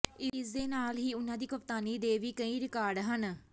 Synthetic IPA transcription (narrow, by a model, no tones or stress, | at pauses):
ɪsd̪eːnaːlɦiːʊnãːd̪iːkʊpt̪aːniːd̪eːʋiːkəĩːɾɪkaːɾɖɦən